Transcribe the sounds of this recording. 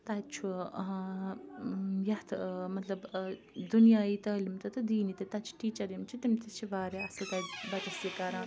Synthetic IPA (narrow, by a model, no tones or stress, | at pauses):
t̪at͡ʃʰu | jɐt̪ʰmɐt̪lɐb | d̪unjaːit̪ɐːlimt̪ɐt̪ɨd̪iːnit̪et̪ɐt͡ʃʰu̥ʈiːt͡ʃɐd̪imt͡ʃʰut̪imt̪it͡ʃʰiʋaːɾeɐsɐt̪abɐt̪ɐsikɐɾãː